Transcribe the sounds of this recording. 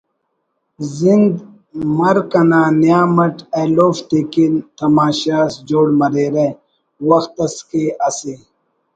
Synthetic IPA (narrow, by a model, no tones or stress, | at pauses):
zind̪ | mɐɾkɐnaːnijaːmɐʈeloːft̪ekint̪ɐmaːɕaːsd͡ʑoːɽmɐɾeːɾe | wɐxt̪ɐskeːʔɐsi